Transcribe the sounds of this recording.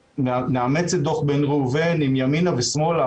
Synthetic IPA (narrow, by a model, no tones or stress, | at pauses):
mmeamet͡sed̪oχbenʁuːvenimjaminavesmo̞la